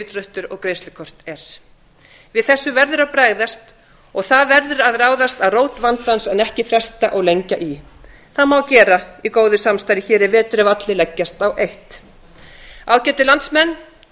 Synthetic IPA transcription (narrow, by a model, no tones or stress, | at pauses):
ɪt̪rœht̪ʏɾɔɣkɾejnst̪lʏkʰɔr̥t̪ɛɾ̥ | vɪðθɛsːʏvɛɾðʏɾaðpɾaːɣðast̪ | ɔɣθaðvɛɾðʏɾaðraːwðast̪aðroːwt̪vant̪ansɛnɛhcɪfɾɛst̪aʔɔɣlejɲcaʔi | θaðmawcɛːɾaikoːwðʏsamst̪ajɾɪçɛːɾɪɾvɛːt̪ʏɾɪvat̪lɪlɛcːast̪awʔejht̪ | aːwcɛːt̪ʏlant̪smɛnː